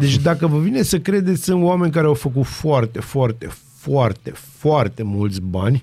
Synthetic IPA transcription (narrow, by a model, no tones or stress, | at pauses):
d̪e̞t͡ʃʲd̪akəvəvinesəkɾe̞d̪e̞t̪sʲɨnoame̞nʲk̬aɾeawfək̬ut̪foart̪e̞foart̪e̞̰ | foart̪e̞foart̪e̞mult̪sʲbanʲ